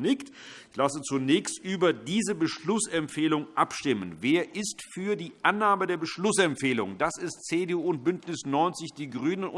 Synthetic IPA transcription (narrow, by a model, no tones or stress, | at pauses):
nɪkt | ɪçlasət͡sunɛːçstʔyːbɐdiːzəbəʃlʊsɛmpfeːlʊŋʔapʃtɪmə̰nveːɐʔɪstfyːɐdiːʔanːaːmədeːɐbəʃlʊsɛmpfeːlʊ̰ŋd̥asɪst̚t͡seːdeuːnt̚b̥ʏntnɪsnɔʏnt͡sɪçd̥iːɡʁyːnənʊ